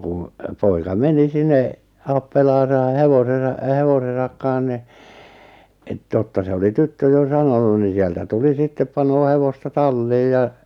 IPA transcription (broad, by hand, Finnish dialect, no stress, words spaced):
kun poikɑ meni sinːe ɑpːelɑːsɑ heʋosesɑ heʋosesɑk kɑ̃ːh ni et totːɑ se oli tytːø jo sɑnonu ni sieltæ tuli sitːep pɑnoː heʋostɑ tɑlːiːj jɑ